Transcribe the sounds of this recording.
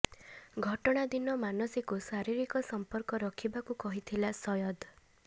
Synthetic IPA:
ɡʱɔʈɔɽ̃ad̪inɔmanɔsikusaɾiɾikɔsɔmpɔɾkɔɾɔkʰibakukɔɦit̪ʰilasɔjɔd̪

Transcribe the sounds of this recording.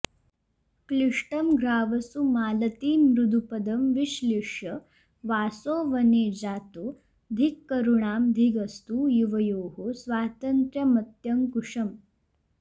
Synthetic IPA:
kliʂʈəmɡʱɾaːʋɐsumaːlɐt̪iːnɾud̪ʱupɐd̪ɐmʋiɕleːʂjɐ | ʋaːsoːʋɐned͡zaːt̪u | d̪ʱikːɐɾuɳaːmd̪ʱiɡɐst̪ujuʋɐjoːɦosʋaːt̪ɐnt̪ɾjɐmɐt̪jɐmkuʂɐm

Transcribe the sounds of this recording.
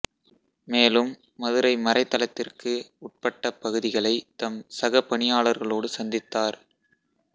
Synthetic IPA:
meːlɯmː | ɐðɯɾɐɪmɐrɐɪt̪ːɐlɐt̪ːɪrkɯʊʈ̚pɐʈːɐpːɐɣɯðɪɣɐɭɐɪt̪ɐmsɐɣɐpːɐɳɪjaːɭɐɾɣɐɭoːɽɯsɐnd̪ɪt̪ːaːɾ

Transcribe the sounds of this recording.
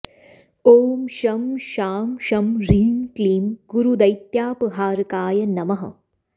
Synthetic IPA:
oːmʃɐmʃaːmʃɐmɾiːŋkliːmɡuɾud̪ɐjt̪jaːpɨɦaːɾkaːjɐnɐmɐɦɐ̰

